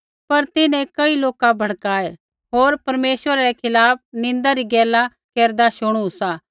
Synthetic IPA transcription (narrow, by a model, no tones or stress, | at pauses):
pɐɾt̪ɪnɛ̃kɐiloːkabʱɐɽkaːe | ɦoːɾpɐɾmeːʃʋəɾaɾɛkʰɪlaːp̚nɪ̃n̆d̪aɾiɡɛːla | keːɾd̪aʃʊɽ̃uʊsaː